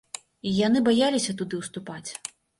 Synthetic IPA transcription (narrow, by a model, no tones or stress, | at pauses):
ijanɨbajalʲisʲɐt̪ud̪ɨwst̪upat͡sʲ